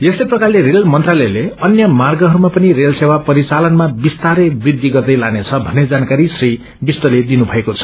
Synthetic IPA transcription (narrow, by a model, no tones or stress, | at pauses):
jest̪ʌjprʌkarlerelmʌnt̪ralʌjleʌnjʌmarɡʌɦʌɾumapʌnirelsewapʌɾit͡salʌnmabist̪aɾʌbrid̪ʱːiɡʌrd̪ʌjlanet͡sʰʌbʱʌnːed͡zankaɾisri | bisʈ̪ʌled̪inubʱʌekot͡sʰʌ̥